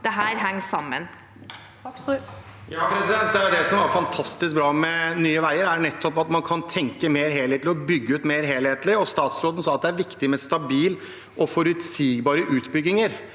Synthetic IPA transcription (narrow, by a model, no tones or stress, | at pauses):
d̪̥ɛɦæːɾɦæŋːsɑmːə̰n | jɑːpʰɾɛsɪd̪ɛnt̪̚d̪æʊd̪ɛsɔmɑɾfɑnt̪ʰɑst̪ɪsk̚bɾɑːmɛnyːəʋæɪəɾænɛt̪ʰːɔpɑt̪mɑnkʰɑnt̪ʰɛŋkəmeːɾɦeːleːt̪lɔbʏɡːəʉːt̪meɪɾɦeːlheːt̪lɪɔst̪ɑːt̪sɾoːd̪ən̩sɔɑt̪̚d̪ɛæɾʋɪkt̪ɪmɛst̪ɑbiːl | ʔɔfɔɾʉt̪siːɡbɑːɾəʔʉːt̪bʏɡːɪŋəɾ